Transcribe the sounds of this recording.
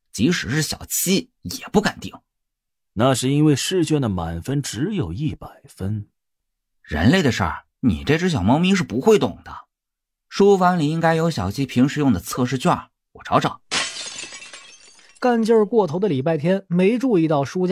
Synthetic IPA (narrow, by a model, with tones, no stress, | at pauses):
t͡ɕi˧˥ʂɻ̩˨˩ʂɻ̩˥˩ɕjɑ̰˨˩ʊt͡ɕʰi˥ | jɛ˨˩pu˥˩ka˨˩nt̪i˥˩˦ŋ | na˥˧ʂɻ̩˥˩i˥nwe˥˧ɪʂɻ̩˥˧t͡ɕɥɛ˥˩nd̪ə˩ma̰˨˩nfə˥nʈ͡ʂɻ̩˧˥jo˨˩ʊi˥˩pa˨˩ɪfə˥n | ɻə̰˧˥nle˥˩ɪd̪ə˩ʂə̰˥˩ | nḭ˨˩ʈ͡ʂe˥˧ɪʈ͡ʂ̩˥ɕjɑ˨˩mɑ˧˥mi˥ʂɻ̩˥˩pu˧˥xwe˥˩ɪt̪ʊ̰˨˩ŋd̪̥ə˦ | ʂu˥fɑ˧˥ŋli˨˩i˥ŋka˥ɪjo˧˥ʊɕjɑ˨˩ʊt͡ɕʰi˥pʰi˧˥ŋʂɻ̩˥jʊ˥˩ŋd̪ə˩t͡sʰɤ˥˧ʂɻ̩˥˧t͡ɕɥa˥˩ | wɔ̰˨˩ʈ͡ʂʰɑ˧˥ʊʈ͡ʂɑ˨˩˦ | ka˥˧nt͡ɕjə˥˩kwɔ˥˩t̪ʰo˧˥ʊd̪ə˧li˨˩pa˥˧ɪt̪ʰjɛ˥nme˧˥ɪʈ͡ʂu˥˧i˥˧t̪ɑ˥˩ʊʂu˥t͡ɕ